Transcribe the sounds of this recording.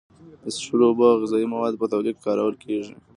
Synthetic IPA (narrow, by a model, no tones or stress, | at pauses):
d̪əsʃuɾobɑɣɪzɑimawɑd̪pət̪awlikkɑɾawəlkʰeʐi